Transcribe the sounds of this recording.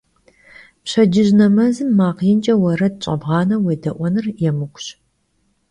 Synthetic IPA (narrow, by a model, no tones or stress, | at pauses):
pɕɐd͡ʒɪʒnɐmɐzɨmːaːqjɪnt͡ʃʼɐwɐrɐdɕʼɐ̰bʁɑːnɐweːdɐʔʷɔnɨrjɛmɨkʷʰʼɕ